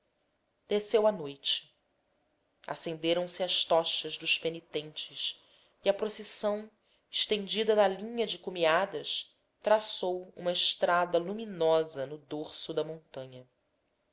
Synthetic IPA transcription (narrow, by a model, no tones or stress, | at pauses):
d̪̥esewɐnojt͡ʃɪ̥ | a̰sẽnd̪eɾɐ̃w̃sɪɐʃt̪ɔʃɐzd̪ʊʃpenit̪ẽnt͡ʃɪʃ | iɐpɾosisɐ̃w̃ | ɪʃt̪ẽnd͡ʒid̪ɐnɐlĩɲɐd͡ʒɪkumiad̪ɐʃ | t̪ɾasowṵ̃mɐɪʃt̪ɾad̪ɐluminɔzɐnʊd̪oɾsʊd̪ɐmõnt̪ɐ̃ɲɐ